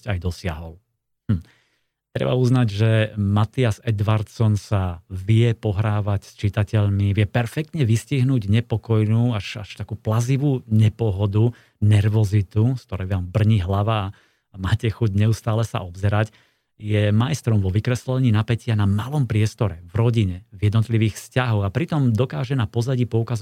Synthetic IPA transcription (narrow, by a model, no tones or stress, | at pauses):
ajd̪ɔsɪaɦɔl̩ | t̪ɾɛ̰ba̰uznaɟʒɛmat̪iazɛd̪ʋaɾt̪sɔnsaʋɪɛpɔɦɾaːʋacst͡ʃit̪acɛʎmiʋɪɛpɛɾfɛk̚t̪ɲɛʋisciɦnuːɟɲɛpɔkɔjnuːaʃa̰ʃt̪akuːplaziʋuːɲɛpɔɦɔd̪u | nɛɾʋɔzit̪uskt̪ɔɾɛjʋaːmbr̩ɲiɦlaʋaː | maːcɛxuɟɲɛust̪aːlɛsa̰ʔɔbzɛɾac | jɛmajst̪ɾɔmʋɔʋikɾɛslɛɲiːnapɛcɪanamalɔmpɾɪɛst̪ɔɾɛvɾɔɟiɲɛvjɛd̪nɔt̪liʋiːxfscaɦɔɣapɾit̪ɔmd̪ɔkaːʒɛnapɔzaɟiːpɔukaz